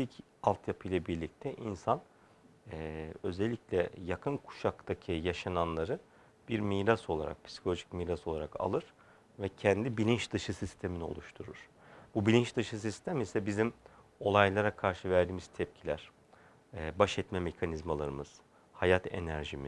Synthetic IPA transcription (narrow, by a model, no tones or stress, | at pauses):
t̪ic | alˠt̪ʰjapʰɯjlˠabiɾlʲic̚t̪ʰɛʔinsan | ɛːø̞zɛlʲːiclʲɛjakʰɯnkʰu̥ʃakt̪acʰijaʃananlˠaɾɯ | b̥iɾmiːɾaso̞lˠa̰ɾa̰k̚pʰi̥si̥kʰo̞lʲoʒicmiːɾaso̞lˠaɾaka̰lˠɯɾ̥ | vɛcʰɛnd̪ibilʲint͡ʃd̪ɯʃɯsist̪ʰe̞minio̞̰lˠuʃt̪ʰuɾuɾ̥ | bubilʲint͡ʃd̪ɯʃɯsist̪ʰæmisɛbizim | o̞lˠajlˠaɾakʰaɾʃɯvæɾd̪iːmiz̥t̪ʰɛp̚cʰilʲæɾ̥ː | baʃɛt̪mɛme̞cʰanizmalˠaɾɯmɯz̥ | hajat̪ʰe̞̰næɾʒimiz̥